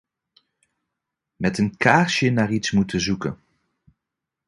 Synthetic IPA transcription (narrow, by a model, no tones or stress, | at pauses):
mɛtənkaːɹʃjənaːɹitsmutəzukə̰n